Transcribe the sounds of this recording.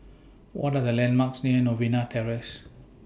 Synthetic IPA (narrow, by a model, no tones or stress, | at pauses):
wɔ̰tadəlɛ̃nmaksniənovinat̪ʰɛɹəs